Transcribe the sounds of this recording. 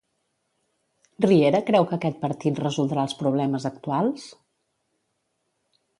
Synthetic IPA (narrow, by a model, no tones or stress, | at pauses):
rieɾəkɾɛwkəːkɛt̪̚pəɾt̪it̪rəzulˠd̪ɾalˠspɾuβ̞lɛməzəkt̪ualˠs